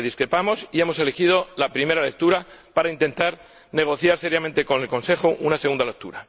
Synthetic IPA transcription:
ðiskɾe̞pamo̞sie̞mo̞se̞lexið̞o̞lapɾime̞ɾale̞k̚t̪uɾapaɾaint̪e̞nt̪aɾ | ne̞ɣ̞o̞θjaɾse̞ɾjame̞nt̪e̞ko̞ne̞lkõ̞nse̞xoʔunase̞ɣund̪ale̞k̚t̪ṵɾa

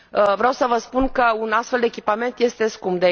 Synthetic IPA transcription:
əvɾeawsəvəspunkəunast̪feld̪eːkʲipament̪je̞st̪e̞skumbd̪e

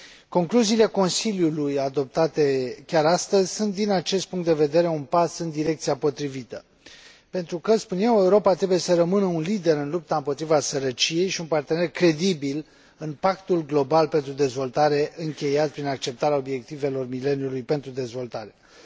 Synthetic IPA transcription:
ko̞ŋkluziːle̞ko̞nsiljulujad̪o̞p̚t̪at̪e̞kʲaɾast̪əzʲsunt̪̚d̪inat͡ʃe̞st̪̚puŋkt̪d̪e̞ved̪e̞ɾe̞unpasɨnd̪iɾe̞k̚t̪siapo̞t̪ɾivit̪ə̰ | pe̞nt̪ɾukəspunje̞we̞uɾo̞pat̪ɾe̞buje̞səɾəmɨnəunlid̪e̞ɾɨnlup̚t̪aɨmpot̪ɾivasəɾət͡ʃije̞jʃiunpart̪e̞ne̞rkɾe̞d̪ibil | ɨnpakt̪ulɡlo̞balpe̞nt̪ɾud̪e̞zvo̞lt̪aɾe̞ʔɨŋkʲe̞jat̪̚pɾinak̚t͡ʃe̞p̚t̪aɾeao̞bje̞k̚t̪ive̞lo̞rmile̞njulujpe̞nt̪ɾud̪e̞zvo̞lt̪aɾe̞

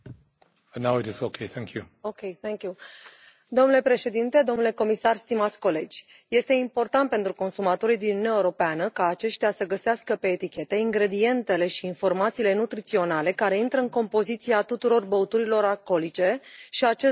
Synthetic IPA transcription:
naʊɪtɪzokʰeɪθɛ̃ŋkʰjṵ | okʲejθɛŋkʲju | d̪o̞mnule̞pɾe̞ʃe̞d̪int̪e̞d̪o̞mnule̞ko̞misarst̪imat̪sʲko̞le̞d͡ʒʲ | je̞st̪e̞impo̞rt̪ant̪̚pe̞nt̪ɾuko̞nsumat̪o̞ɾijd̪inuuneaeuɾo̞peanəkaːt͡ʃe̞ʃt̪easəɡəseaskəpe̞ːt̪ikʲe̞t̪e̞iŋɡɾe̞d̪ie̞nt̪e̞le̞ʃiːnfo̞rmat̪siːle̞nut̪ɾit̪sio̞nale̞kaɾe̞int̪ɾəɨŋko̞mpo̞zit̪siat̪ut̪uɾo̞rbəut̪uɾilo̞ɾalko̞lit͡ʃe̞ʃiat͡ʃe

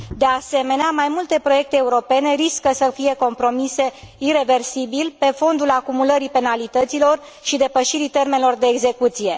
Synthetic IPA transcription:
d̪ease̞me̞neamajmult̪e̞pɾo̞je̞k̚t̪e̞ːuɾo̞pe̞ne̞ɾiskəsəfije̞ko̞mpɾo̞mise̞ | iɾe̞ve̞rsibilpe̞fo̞nd̪ulakumuləɾipe̞nalit̪ət̪silo̞r | ʃid̪e̞pəʃiɾit̪e̞rmenelo̞rd̪e̞ːɡze̞kut̪sije̞

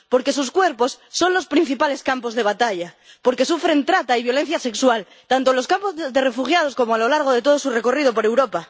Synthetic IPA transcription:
po̞ɾke̞suskwe̞ɾpo̞sːo̞nlo̞spɾin̟θipale̞skampo̞zðe̞β̞at̪aʎa | po̞ɾke̞sufɾent̪ɾat̪aiβ̞jo̞le̞n̟θjase̞kswal | t̪ant̪olo̞skampo̞zzðe̞re̞fuxjað̞o̞sko̞moalo̞laɾɣ̞oð̞e̞t̪o̞ð̞o̞sure̞ko̞rið̞o̞po̞ɾe̞wɾo̞pa

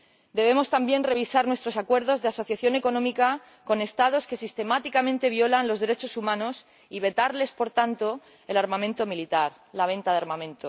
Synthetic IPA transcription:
d̪e̞β̞e̞mo̞st̪ambje̞nre̞β̞isaɾnwet̪ɾo̞sakwe̞ɾð̞o̞zðe̞aso̞θjaθjo̞ne̞ko̞nõ̞mika | ko̞ne̞st̪aðo̞ske̞sist̪e̞mat̪ikamẽnt̪e̞β̞jo̞lanlo̞zðeɾe̞t͡ʃo̞sumãno̞s | iβe̞t̪aɾle̞spo̞ɾt̪ant̪o̞ | elaɾmãmẽnt̪o̞milit̪aɾ | laβ̞ẽ̞nt̪aðeaɾmãmẽ̞nt̪o

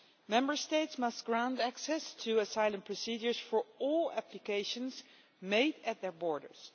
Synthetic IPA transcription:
mɛ̃mbəɹsteɪtsmʌst̚ɡ̥ɹãʊ̃ndæksɛstʰuəsaɪlˠə̃npʰɹɔsid͡ʒəɹsfɔɹɔlˠæplɨkeɪʃə̃nz | meɪdɨt̪̚ðɛɹbɔɹdə̰ɹs

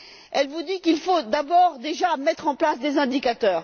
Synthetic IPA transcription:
ɛlvud̪ikilfod̪abɔʁd̪eʒamɛt̪χɑ̃plasd̪ezɛ̃d̪ikat̪œːʁ

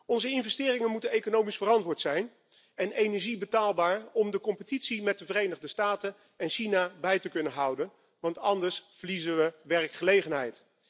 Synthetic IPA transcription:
ɔnzəɪnvɛstɪːrɪŋənmutənejkonowmisfərɑntʋʊːɹtsɛjn | ɛnejnɛɹʒibətaːlˠbaːɹɔmdəkɔmpətitsimɛt̚dəvərejnəʁdəstaːtən | ɛnʃinabɛjtəkɵnənɦʌwdən | ʋɑntɑndəɹsfəɹlizənʋəʋɛrkχəlejχənɦɛjt

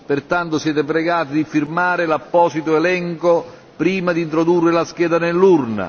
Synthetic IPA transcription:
pɪrt̪ant̪ʊsjɛːt̪ɪp̬ɾɛɡaːt̪ɪd̪ifirmaːɾɪlapːɔːsit̪oɛlɛŋko | pɾiːmad̪int̪ɾod̪urːɪlaskɛːd̪anelːurna̰

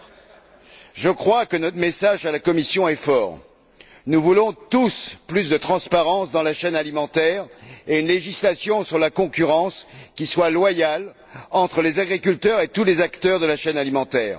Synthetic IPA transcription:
ʒəkχwakənɔt̪χmesaʒalakɔmisjɔ̃ɛfɔːʁ | nuvulɔ̃t̪usplysd̪ət̪χɑ̃spaʁɑ̃sd̪ɑ̃laʃɛnalimɑ̃t̪ɛʁeynleʒislasjɔ̃syʁlakɔ̃kʲyʁɑ̃skʲiswalwajal | ɑ̃t̪χəlezaɡʁikʲylt̪œʁet̪ulezakt̪œʁd̪əlaʃɛnalimɑ̃t̪ɛːʁ

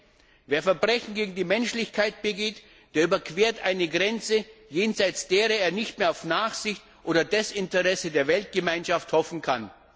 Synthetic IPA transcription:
veːɐfɛɐbʁɛçn̩ɡeːɡŋ̩diːmɛnʃlɪçkʰaɪt̚b̥əɡeːt | d̥eːɐyːbɐkv̥eːɐtʔaɪnəɡʁɛnt͡səjeːnzaɪt͡sd̥eːʁɐeːɐnɪçtmeːɐaʊfnaːχz̥ɪçtʔoːdɐdɛsɪntəʁɛsədeːɐvɛlt̚ɡ̥əmaɪnʃafthɔfn̩kʰan

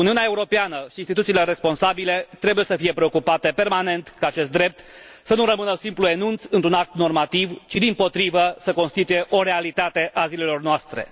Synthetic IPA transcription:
uniuneae̞uɾo̞peanəʃiinst̪it̪ut̪sile̞ɾe̞spo̞nsabile̞t̪ɾe̞buje̞səfije̞pɾe̞o̞kupat̪e̞pe̞rmane̞nt̪kaːt͡ʃe̞st̪d̪ɾe̞p̚t̪sənuɾəmɨnəsimplue̞nunt̪sɨnt̪ɾunak̚t̪no̞rmat̪ivt͡ʃid̪impo̞t̪ɾivəsəko̞nst̪it̪uje̞ʔo̞ɾe̞alit̪at̪e̞ʔazile̞lo̞rnoast̪ɾe̞̰

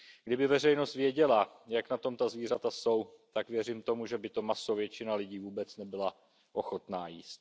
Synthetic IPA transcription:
ɡdɪbɪvɛrɛjno̞st̪vjɛɟɛla | jaknat̪o̞mt̪azviːr̝at̪aso̞wt̪akvjɛriːmt̪o̞muʒɛbɪt̪o̞masovjɛt͡ʃɪnalɪɟiːvuːbɛt͡snɛbɪla | ʔo̞xo̞t̪naːjiːst̪̚

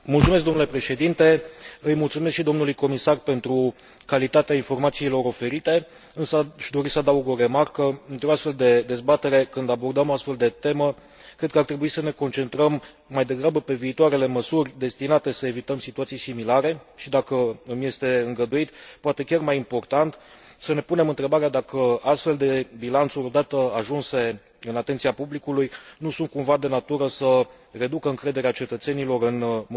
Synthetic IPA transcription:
mult̪sumesk̚ɡd̪o̞mnule̞pɾe̞ʃe̞d̪int̪e̞ɨjmult̪sumeskʃid̪o̞mnulujko̞misarpe̞nt̪ɾu | kalit̪at̪eainfo̞rmat̪siːlo̞ɾo̞fe̞ɾit̪e̞ | ɨnsəʃd̪o̞ɾisəad̪auɡo̞ɾe̞markəpent̪ɾoast̪fe̞ld̪e̞d̪e̞zbat̪e̞ɾe̞kɨnd̪abo̞rd̪əmoast̪fe̞ld̪e̞t̪e̞mə | kɾed̪̚kəart̪ɾe̞buisəne̞ko̞nt͡ʃe̞nt̪ɾəmː | ajd̪e̞ɡɾabəpe̞viːt̪oaɾe̞le̞məsurʲd̪e̞st̪inat̪e̞səe̞vit̪əmsit̪uat̪sijsimilaɾe̞ʃid̪akəmje̞st̪e̞ɨŋɡəd̪uit̪poat̪e̞kʲarmajimpo̞rt̪ant̪səne̞pune̞mɨnt̪ɾe̞baɾead̪akəast̪fe̞ld̪e̞bilant̪suɾʲo̞d̪at̪əaʒunse̞ | ɨnat̪e̞nt̪siapublikulujnusunt̪̚kuɱvad̪e̞nat̪uɾəsə | re̞d̪ukəɨŋkɾe̞d̪e̞ɾeat͡ʃe̞t̪ət̪se̞nilo̞ɾɨn

